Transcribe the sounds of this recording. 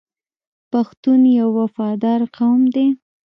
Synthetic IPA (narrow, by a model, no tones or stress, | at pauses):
paxt̪unjawːafɑd̪ɑɾqawmd̪e